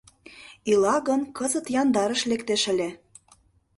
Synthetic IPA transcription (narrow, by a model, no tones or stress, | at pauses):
ilɑɣɤ̆nkɤzɤ̆t̪jɑnd̪ɑɾə̆ʃlekt̪eʃə̆lʲĕ